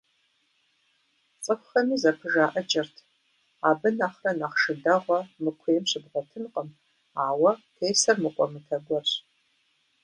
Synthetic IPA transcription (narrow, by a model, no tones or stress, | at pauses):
t͡sʼɨkʷxɐmiːzɐpʰɨʒaːʔɐt͡ʃʼɐrtʰ | aːbɨnaχrɐnaχʂɨdɐʁʷɐmɨkʷʰeːmɕɨbʁʷɔtʰɨnqʼəm | aːwɐtʰeːsɐrmɨqʷʼɔmɨtʰɐɡʷɔrɕ